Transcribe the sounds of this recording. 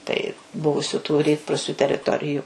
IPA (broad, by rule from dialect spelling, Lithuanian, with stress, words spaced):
tɐɪ ˈbʊʋʊsʲʊ tʊ ˈrʲiːtpruːsʲʊ tʲɛrʲɪˈtoːrʲɪjʊ